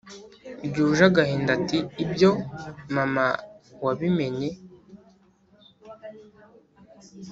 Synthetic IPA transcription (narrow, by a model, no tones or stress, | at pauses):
bɟuːʒaɡaheːndatiːbjomamawaβime̞ɲe